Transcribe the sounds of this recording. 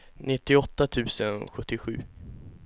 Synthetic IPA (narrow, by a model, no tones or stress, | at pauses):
nɪt̪ːɪɔt̪ːat̪ʰʉ̟ːsənɧɵt̪ːɪɧʉ̟̰ː